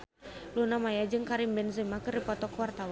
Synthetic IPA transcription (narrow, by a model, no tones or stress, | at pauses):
lunamajad͡ʒɨŋkaɾimbɛnzimakɨrdipɔt̪ɔkəwart̪aw